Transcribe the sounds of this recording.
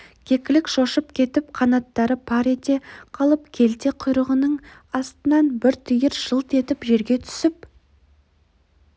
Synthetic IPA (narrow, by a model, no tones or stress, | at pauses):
kʲʰe̞kʲɪlɪkʃo̞ʃəp̚kʲʰe̞t̪ɪp̚qʰɑnɑt̪ːɑɾəpʰɑɾe̞t̪e̞qʰɑlˠəp̚kʲʰe̞lt̪e̞qʰʊjɾəʁənəɴɑst̪ənɑnbɪɾt̪ʰijəɾʒ̥əlˠt̪e̞t̪ɪpʒe̞ɾɡʲe̞t̪ʰʏ̥sɪp